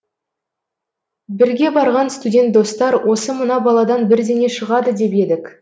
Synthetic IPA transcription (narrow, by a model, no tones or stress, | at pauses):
bɪɾɡʲe̞bɑɾʁɑnst̪udʲe̞nt̪̚d̪o̞st̪ɑɾwʔo̞səmənɑbɑlˠɑd̪ɑnbɪɾd̪eŋeʃəʁɑd̪əd̪e̞pe̞d̪ɪk